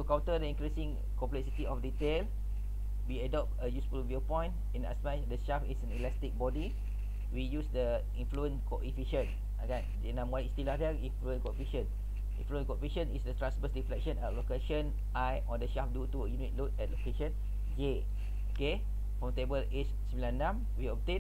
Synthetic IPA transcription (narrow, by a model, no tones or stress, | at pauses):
tukãwntədəĩŋkɾisĩŋ | kɔ̃mplɛksitiɔfditel | wiadɔp̚təjusfulviopɔ̃j̃nt | ĩna̰spãjsdəʃafisɛ̃nilɛstik̚bɔdi | wijusdə | ĩnfluə̃nkɔʔifiʃə̃n | aɡãndinãmwãnistilafɛĩnfluə̃nkɔfiʃə̃n | ḭ̃nfluə̃nkɔifiʃə̃nisdətɹãnsbəsɹiflɛk̚ʃə̃nalokeʃə̃n | ʔajɔdəʃafdutuəjunit̚lotɛt̚lokeʃə̃n | d͡ʒe | oke | fɔ̃mtebəlet͡ʃ | smilãnːãm | wiɔp̚t̪ẽn